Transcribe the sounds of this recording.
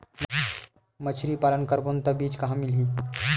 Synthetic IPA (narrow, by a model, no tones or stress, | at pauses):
mət͡ʃʰɾipaːlənkɐɾbont̪ɐbiːt͡ʃkɐɦãmɪlɦĩː